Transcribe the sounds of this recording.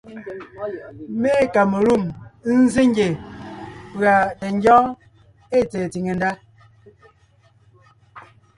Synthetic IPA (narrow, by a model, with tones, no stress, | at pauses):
me˦ka˨mə˨ɾu˦˨m˦n̩˦ze˦ŋ˦ɡe˨ | ɣa˨te˨ŋ̩˦d͡ʒɔ˦ | e˦˨tɛ˨ti˨ŋe˨n˦da˦